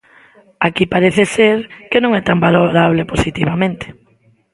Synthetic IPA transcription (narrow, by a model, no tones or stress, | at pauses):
akipaɾeθeseɾkenõŋɛt̪ambaloɾaβleposit̪iβamẽnt̪e̥